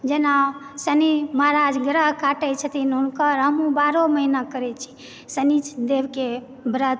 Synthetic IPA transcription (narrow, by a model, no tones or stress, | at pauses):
d͡ʒenasəniməɦɾad͡ʒɡɾəɦkaʈɛt͡ʃʰət̪inunkəɾɦəmũbaɾoməɦinakəɾɛt͡ʃʰi̥ | sənit͡ʃʰd̪eʋke | bɾət̪